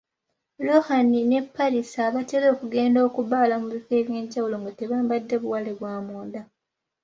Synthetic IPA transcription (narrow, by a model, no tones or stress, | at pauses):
lohanine̞pːaɾisaβate̞lo̞ːkuɡe̞ːndo̞ːkuβaːlamuβife̞ːβje̞ɲɟːawulo̞ŋɡate̞βaːmbadːe̞βuwaleβwaːmoːnda